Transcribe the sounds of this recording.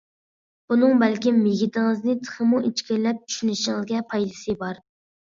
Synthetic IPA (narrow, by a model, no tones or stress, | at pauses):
b̥unɨŋbɛlkʲimːeɡʲit̪ɪŋɨznɪt̪ʰə̥χəmuʔet͡ʃkʲɪɾlɛp̚t͡ʃʰy̥ʃynɪʃiŋɨzɡʲɛpʰɑjlˠɨsɨbɑɾ